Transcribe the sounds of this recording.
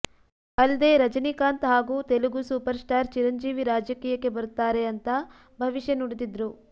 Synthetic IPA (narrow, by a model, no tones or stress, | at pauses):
ɐlɐd̪e̞ːɾɐd͡ʒɐnikaːnt̪ɦaːɡuːt̪eluɡusuːpɐɾsʈaːɾt͡ʃiɾɐɲd͡ʒiːʋiɾaːd͡ʒɐkiːjɐkːe̞bɐɾut̪ːaːɾeɐnt̪ɐ | bʱɐʋiʃjɐnuɽid̪id̪ɾu